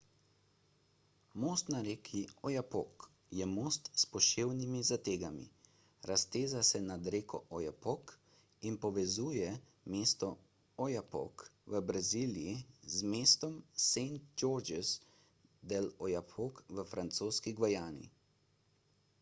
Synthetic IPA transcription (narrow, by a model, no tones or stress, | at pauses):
moːst̪naɾeːkʰiɔjapok | jɛmoːst̪spɔʃeːwnimizat̪eːɡamḭ | ɾast̪eːzasɛnad̪ɾeːkɔ̰ʔɔjapɔk | inpɔʋɛzuːjɛ | meːst̪ɔ | ɔjapɔ̰kʋəbɾaziːlijizmeːst̪ɔmsent̪̚d͡ʒoːɾd͡ʒɛs | d̪ɛlɔjapʰokʋəfɾant̪soːskiɡʋajaːnḭ